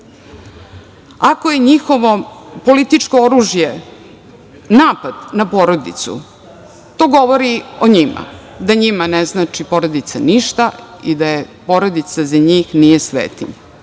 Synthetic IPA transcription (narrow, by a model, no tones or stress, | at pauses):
akoje̞ɲixo̞ʋo̞po̞lit̪it͡ʃko̞oɾuːʒje | naːpad̪napo̞ɾo̞d̪ḭt̪sṵ | t̪o̞ːɡo̞ʋo̞ɾioɲima̰d̪aɲimaneznaːt͡ʃipo̞ɾod̪it̪saniʃt̪aid̪ajepo̞ɾod̪it̪sazaɲiːxnije̞sʋḛːt̪ḭɲa